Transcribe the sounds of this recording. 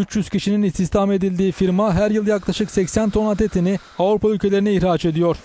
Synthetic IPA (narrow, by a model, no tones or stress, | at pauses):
yt͡ʃjyz̥ciʃininist̪ist̪ʰame̞d̪ilʲd̪iːfiɾmaɦæɾjɯlˠjaklˠaʃɯksɛcsænt̪ʰo̞nat̪ʰet̪ʰini | avɾupaylʲcʰe̞lʲeɾinɛiçɾaːt͡ʃe̞d̪ijo̞ɾ̥